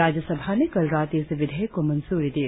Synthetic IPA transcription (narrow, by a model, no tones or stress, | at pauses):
aːd͡ʒjəsəbʱanekɐlɾaːt̪iːsɪʋɪd̪ʱəjkomɐnsuːɾid̪ie